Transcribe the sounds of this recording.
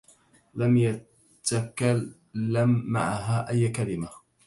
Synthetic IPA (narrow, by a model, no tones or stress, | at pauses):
lamja | t̪akalː | amːa̰ʕaɦaːʔajːkalɪma